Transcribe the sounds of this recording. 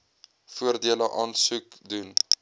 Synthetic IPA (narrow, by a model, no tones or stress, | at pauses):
fuərdiələʔɑːnsukdun